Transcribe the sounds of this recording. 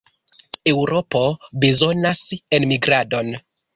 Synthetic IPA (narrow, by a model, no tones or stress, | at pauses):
ewɾo̞pobezo̞nasenmiɡɾado̞n